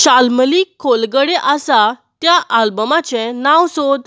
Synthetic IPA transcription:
ɕalməliːkʰːolɡəɽeʔasat̪jaʔalbəmat͡ɕɛ̃nawsod̪

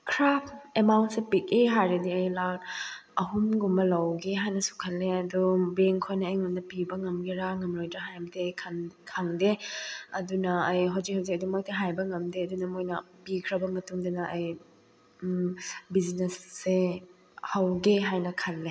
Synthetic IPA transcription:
kʰɾapʰemawnt̚sepik̚eɦajɾediɐjlaɐɦunɡumbɐlɐwɡeɦajnɐsu̥kʰɐlːeɐdubɾeŋkʰojnɐːjŋɐnnɐpibɐŋɐmɡiɾaŋɐmɾojdɾɐɦajdekʰnkʰaŋdeɐdunɐːjɦawzik̚hawzikɐdumojtʰɐɦajbɐŋɐmdeɐdunɐmojnɐpikʰɾɐbɐmɐtuŋdɐnɐʔɐj | biznesːe | hɐwɡeɦajnɐkʰɐlːe

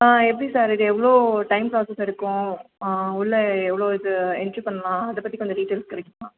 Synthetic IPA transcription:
aːɛpːɐɽisaːɾɪðɯɛʋːɐɭoːʈɐɪmpɾaːsɛsɪɾɯkːʊ̃ | ʊɭːɐɛʋːɐɭoːɪðɯɛndɾipɐɳːɐlãːɐðɐpɐt̪ːikːɐnd̪ɐɖiːʈeːlskɐɾɛkːɯmãː

